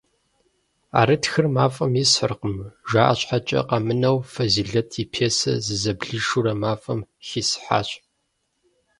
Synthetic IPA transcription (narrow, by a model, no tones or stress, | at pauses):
a̰ːɾɨtxɨrmaːfʼɐmjisħərqəmʒʷaːʔɐɕʼħat͡ʃʼɐ̰qɐmɨnɐwfɐziːɮɐtʰipʰeːsɐ̰zɨzɐbɮɨʂuɾɐmaːfʼɐmxisħa̰ːɕʼ